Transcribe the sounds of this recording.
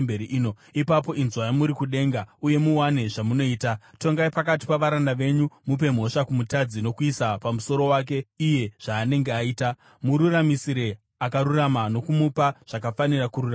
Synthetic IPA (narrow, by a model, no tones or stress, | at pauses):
beɾiʔino | ipap̬o̞ʔinzwajamuɾikuɗe̞ːŋɡauje̞muwane̞ʐamuno̞iːtato̞ŋɡaipakat̬i̥paʋaɾandaʋe̞ɲumup̬e̞m̤o̞ʂakumutad͡zino̞kuisapamuso̞ɾo̞waːk̬e̞ije̞ʐ̥aːne̞ŋɡeaiːta | muɾuramisiɾe̞ | akaɾuramano̞kumupaʐ̥akafanirakuɾura